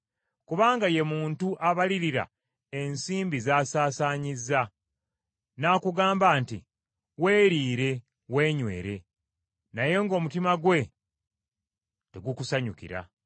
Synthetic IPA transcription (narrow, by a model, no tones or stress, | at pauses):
kuβaːŋɡaje̞muːntuʔaβaliɾiɾa̰ | e̞nsiːmbizaːsaːsaːɲizːa | naːkuɡaːmbaːnti | we̞ːɾiːɾe̞ | we̞ːɲwe̞̰ːɾe̞ | naje̞ŋɡo̞ːmutimaɡwe̞ | te̞ɡukusaɲukḭɾa̰